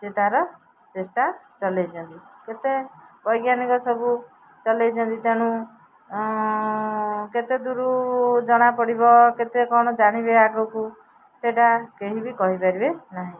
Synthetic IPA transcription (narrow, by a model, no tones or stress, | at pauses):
set̪aɾɔ | t͡ʃesʈat͡ʃɔlejt͡ʃʰɔnt̪iket̪ebɔjɡjanikɔsɔbu | t͡ʃɔlejt͡ʃʰɔnt̪it̪aɽ̃ũ | ket̪ed̪uɾud͡ʒɔɽ̃apɔɽibɔket̪ekɔɽ̃ɔd͡ʒaɽ̃ibeaɡɔku | seʈakeɦibikɔɦipaɾibenaɦĩ